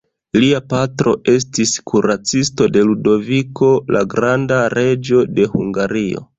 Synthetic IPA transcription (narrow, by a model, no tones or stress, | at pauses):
liapatɾo̞ʔe̞s̬tiskʰuɾat͡sisto̞de̞ludo̞viko̞la̰ɡɾandaɾe̞d͡ʒo̞de̞huŋɡaɾio̞̰